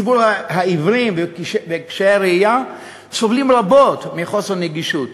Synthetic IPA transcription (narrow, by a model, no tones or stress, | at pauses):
ibuɾahaivɾimveʃvekʃeaɾeija | sovlimɾabotmiχo̞seɾneɡiʃut